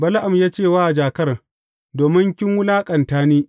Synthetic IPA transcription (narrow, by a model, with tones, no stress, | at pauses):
bɐ˦lʔa˨mjaː˦t͡ʃeː˦˨waː˦˨d͡ʒaː˨kɐ˦r | doː˨mɪ˦ŋkʲɪ˦ŋwʊ˦laː˦kʼɐ˨ntaː˦niː˦